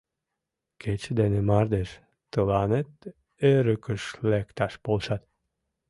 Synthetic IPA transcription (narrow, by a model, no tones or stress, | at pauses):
kʰet͡ɕd̪enemɑɾd̪eʃ | t̪əlˠɑnet̪ | eɾøkəʃlekt̪ɑʃb̥olˠʃɑt̪